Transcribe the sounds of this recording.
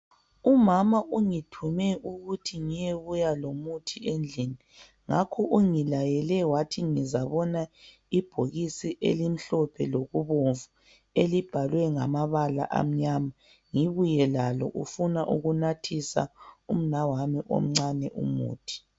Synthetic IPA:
umamaʔuŋitʰumɛʔuɣutʰiŋijeβujalomutʰiend͡ɮʱini | ŋakʰɔʔuŋilajɛlɛwatʰiŋizaβɔna | ib̥ʱoɣisiʔḛlim̩ɬɔpʰɛloɣuβoɱvu | elib̥ʱalwɛŋamaβala̰ʔa̰m̩ɲama | ŋiβujɛlalɔ̰ʔufunaʔuɣunatʰisa̰um̩nawanɛʔo̰m̩ŋ͡ǀanɛʔṵmṵːtʰi̥

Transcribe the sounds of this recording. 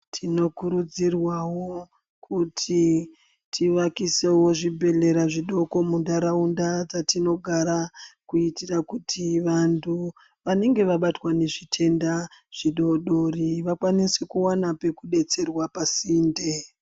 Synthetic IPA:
tʰino̞kuɾud͡zirwawo̞ | kʰutʰi | tʰiʋakise̞wo̞ʐibʱe̞ɮe̞ɾaʐiɗo̞ko̞mundaɾaundat͡satino̞ɡʱaɾakuitirakutʰiʋantʰu | ʋane̞ŋɡe̞ʋaɓatwane̞ʐitʰe̞ndaʐ̥iɗo̞ɗo̞riʋakwanisekuwanape̞kuɗe̞t͡se̞rwapasiːnde

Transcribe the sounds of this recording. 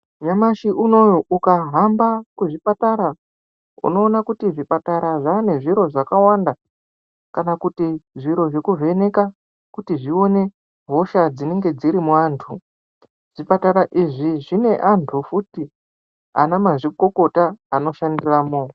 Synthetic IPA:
ɲamaʃiʔuno̞joʔukaɦambakuʐipataɾa | ṵno̞ːnakutiʐipataɾaʐaːne̞ʐiɾo̞ʐakawanda | kanakutiʐiɾo̞ʐe̞kuve̞ne̞ka | kutiʐio̞ne̞ | ɦo̞ʃad͡zine̞ŋɡe̞d͡ziɾimuaːntʰu | ʐ̥ipataɾaʔiʐiʐine̞ʔantʰufuti | a̰namaʐiko̞ko̞taːno̞ʃandiraːmoːo

